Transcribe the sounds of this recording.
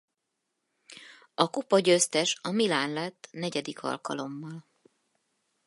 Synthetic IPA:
ɒkupɒɟøst̪ɛʃɒmilaːnlɛt̪ːnɛɟɛd̪ikʰɒ̰lkɒ̰lo̞mːɒl

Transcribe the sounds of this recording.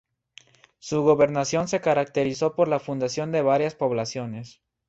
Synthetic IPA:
suɣo̞βe̞ɾnasjo̞nse̞kaɾak̚t̪e̞ɾiso̞po̞ɾlafund̪asjo̞nd̪e̞βaɾjaspo̞βlasjo̞ne̞s

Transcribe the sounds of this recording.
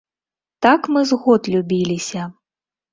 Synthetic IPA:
t̪akmɨzɣɔt̪lʲubʲilʲisʲɐ

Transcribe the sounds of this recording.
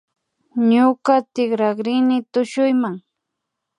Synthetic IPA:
ɲʊkat̪ɪkɾaɢɾɪnɪt̪ʊʃʊjmaŋ

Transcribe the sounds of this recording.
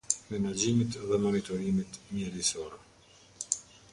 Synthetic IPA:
mɛnad͡ʑimit̪ðɛmɔnit̪ɔɾimit̪mjɛɾisɔɾɛ

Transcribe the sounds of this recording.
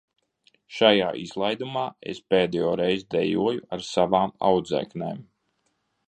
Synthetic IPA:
ʃajaːʔiz̥lˠajd̪umaːḛspeːd̪ɛjɔːɾɛjzd̪ɛjuɔjuaɾsavaːma̰wd̪zɛ̰knḛːm

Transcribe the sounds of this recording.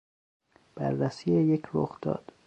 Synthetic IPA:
b̥æ̰ɾːæsiːejecʰɾoxd̪̥ɒ̰ːd̪̥

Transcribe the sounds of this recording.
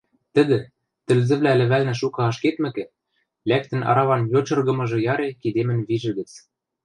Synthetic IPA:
t̪ɘ̆d̪ɘ̆ | t̪ɘ̆lzɘ̆βlælɘ̆βælnɘ̆ʃ̬ukɑɑʃket̪mɘ̆kɘ̆ | læk̚t̪ɘ̆nʔɑ̰ɾɑβɑnjot͡ɕɤ̆rɣɤ̆mɤ̆ʒɤ̆jɑɾekid̪emɘ̆nβiʒɘ̆ɡɘ̆t͡s

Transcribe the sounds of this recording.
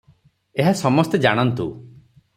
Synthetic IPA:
eɦasɔmɔst̪ed͡ʒaɽ̃ɔnt̪u

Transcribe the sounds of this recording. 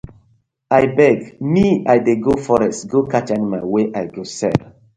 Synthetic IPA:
ajbɛɡmiajdeɡofɔɹɛstɡokʰat͡ʃɔ̃nmaɪweʔajɡosɛ̰l

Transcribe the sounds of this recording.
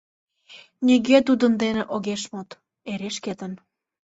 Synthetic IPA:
nʲiɣet̪̬ud̪ənd̪eneʔoɣeʃmot̪ | eɾeʃket̪ən

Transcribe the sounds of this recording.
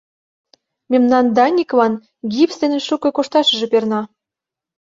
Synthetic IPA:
mʲemnɑnd̪ɑnʲikβɑn | ɡʲipsd̪enĕʃukɤ̆koʃt̪ɑʃə̆ʒĕpernɑ

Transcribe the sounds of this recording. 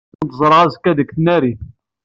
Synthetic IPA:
nt̪zˤɾˤʕɑzkːæðəkθənæɾi

